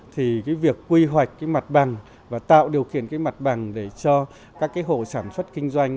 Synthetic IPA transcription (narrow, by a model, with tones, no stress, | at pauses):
t̪ʰi˨˩kaː˨˦jvi˨˩əkːwi˧ɦwa˨˩jk̟̚kaː˨˦jma˨˩t̚ɓa˨˩ŋ | vaː˨˩t̪a̰ː˧˨wɗi˨˩əwxi˧˨ənkaː˨˦jma˨˩t̚ɓa˨˩ŋɗe˧˩t͡ɕɔ˧ | kaː˦˥kːaː˨˦jɦo̰˧˩˨saː˧˩nswə˦˥t̚kï˧ŋ̟zwa˧jŋ̟